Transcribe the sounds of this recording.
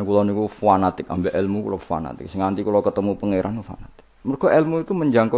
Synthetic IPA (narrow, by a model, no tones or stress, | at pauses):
nkulanikufuanat̪ɪka̰mbɛʔɛlmukṵlofua̰na̰t̪ɪ̰k̚sɪŋnant̪ikulokət̪əmupəŋeɾʔanufa̰nat̪ɪ̥k̚mərɡ̥ɔʔɛlmuit̪uməɲd͡ʒaŋkɔ